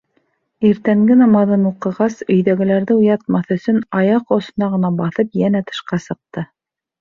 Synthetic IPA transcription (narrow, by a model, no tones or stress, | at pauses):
iɾt̪æŋɡɘnɑmɑðɤnuqɤ̆ʁɑsɵ̆jðæɡɘ̆læɾðɘujɑt̪̚mɑθɵ̆sɵnɑjɑqosɤ̆nɑʁɤ̆nɑbɑθɤpjænæt̪ʰɤ̥̆ʃqɑsɤ̆q̚t̪ɤ